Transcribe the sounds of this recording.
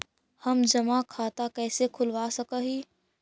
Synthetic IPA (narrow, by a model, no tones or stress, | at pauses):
hɐmd͡ʒɐmakʰaːt̪akɛːsekʰʊlʋasɐkəɦiː